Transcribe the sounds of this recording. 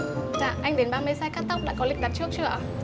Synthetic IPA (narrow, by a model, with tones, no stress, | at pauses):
t̪a̰ː˧˨ʔa˧jŋ̟ɗe˨˦nɓaː˧me˧˦sa˧jkaː˦˥k̚t̪a˦˥wk͡p̚ɗa̰ː˧˥kɔ˨˦lï̟˨˩ɗa˨˩t̚t͡ɕɨ˦˥ək̚t͡ɕɨ̰˧˩ə